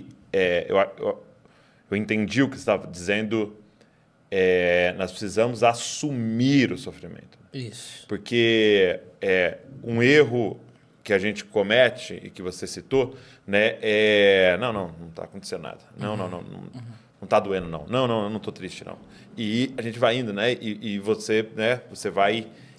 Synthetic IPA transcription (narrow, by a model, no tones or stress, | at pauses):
ɛḛwaḛw | ewẽnt̪ẽd͡ʒiʊkɪst̪avɐd͡ʒizẽnd̪ʊ | ɛnɔspɾe̥sizɐ̃mʊzasumiɾʊsofɾimḛ̃nt̪ʊ̥ispoɾke | ɛũeɦʊ | kɪaʒẽt͡ʃɪ̥komɛt͡ʃɪɪ̰kɪvosesit̪o | nɛɛnɐ̃w̃nɐ̃w̃nɐ̃w̃t̪a̰ːkõt̪esẽnd̪ʊ̰na̰d̪ɐnɐ̰̃w̃nɐ̃w̃nɐ̰̃w̃nɐ̰̃w̃nɐ̃w̃t̪ad̪uẽnd̪ʊnɐ̰̃w̃nɐ̃w̃nɐ̃w̃nnɐ̃t̪ot̪ɾist͡ʃɪnɐ̰̃w̃ | ɪaʒẽnt͡ʃɪvajĩnd̪ʊnɛɪʔːvosenɛvosevaj